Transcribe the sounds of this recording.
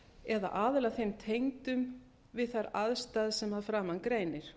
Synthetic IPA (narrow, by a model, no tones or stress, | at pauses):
ɛða̰ʔaːðɪlaθejmt̪ʰejŋt̪ʏm | vɪðθaɾaðst̪aːðsɛmaðfɾaːmankɾeːjnɪɾ̥